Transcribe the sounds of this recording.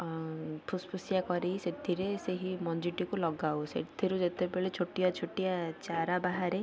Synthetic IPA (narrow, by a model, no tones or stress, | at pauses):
pʰuspʰusjakɔɾejset̪ʰiɾeseɦimɔnd͡ʒiʈikulɔɡawsḛt̪ʰiɾud͡ʒet̪ebeɭet͡ʃʰoʈijɔt͡ʃʰoʈijat͡ʃaɾabaɦaɾe